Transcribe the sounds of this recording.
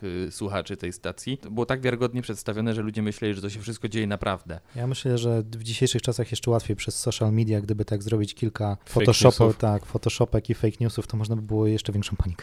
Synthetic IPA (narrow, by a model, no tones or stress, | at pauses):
swuxat͡ʂɘt̪ɛjst̪at̪sʲjibɘwɔt̪aɡvʲjaɾɘɡɔd̪̚ɲɛpʂɛt̪st̪avʲjɔnɛʐɛlud͡ʑɛmɘɕlɛlʲiʐɛt̪ɔɕ̬ɛfʂɘst̪̚kɔd͡ʑejɛnapɾʔavd̪ɛjamɘɕlɛʐɛvd͡ʑiɕejʂɘxt͡ʂasaxjɛʂt͡ʂɛwat̪fʲjejpʂɛsːɔʂalmʲid̪jaɡd̪ɘbɘt̪aɡzɾɔbʲit͡ɕkʲilkafɔɔʂɔsut̪akfɔt̪ɔʂɔpɛkifɛjkɲusuft̪ɔmɔʐnabɘbɘwɔjɛʂt͡ʂɛvʲjɛŋkʂɔ̃w̃paɲikɛ